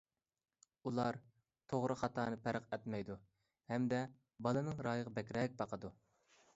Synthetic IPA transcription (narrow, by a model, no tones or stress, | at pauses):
ulˠɑɾ | t̪ʰoʁɾɨχɑt̪ʰɑːnɨpʰæɾəqɛt̪mɛjd̪u | hɛmd̪ɛ | bɑlˠɨnɨŋɾɑːjəʁəbɛkʲɾɛk̚ʲbɑqʰəd̪u